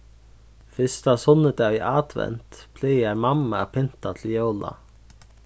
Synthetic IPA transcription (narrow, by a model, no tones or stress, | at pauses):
fɪst̪asʊnːəd̪ɛviʔaːd̪̥ʋɛ̰nt̪pʰlɛːjaɾmamːapʰɪnt̪at̪ʰljowla̰